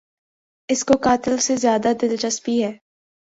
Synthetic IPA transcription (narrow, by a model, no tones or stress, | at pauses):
ɪskokaːt̪ɪlsezjaːd̪ad̪ɪlt͡ʃəspiɦɛː